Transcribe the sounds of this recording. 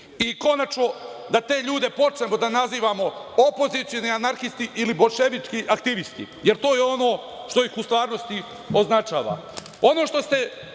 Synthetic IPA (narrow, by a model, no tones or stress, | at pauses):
iko̞nat͡ʃno̞d̪at̪e̞ːʎuːd̪e̞po̞t͡ʃnemod̪anaziːʋaːmo̞opo̞zit̪sijoneanaɾxist̪iʔilibo̞ʃeʋit͡ʃkiʔak̚t̪iʋist̪ḭ | jeɾt̪o̞ːjeo̞no̞ː | ʃt̪o̞jixust̪ʋaːɾno̞st̪i | o̞znat͡ʃaːʋa̰ | o̞no̞ːʃt̪o̞st̪e̞